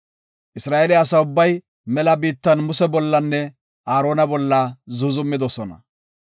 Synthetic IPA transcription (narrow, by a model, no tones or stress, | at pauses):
ʔɪsɾaːʔelɪɐsɐʊbːɐj | mɛlɐbiːt̪ːɐnmʊsɛbɔlːɐnːɛ | ʔaːɾo̞ːnɐbɔlːɐzʊzʊmːɪd̪ɔsɔnɐ̰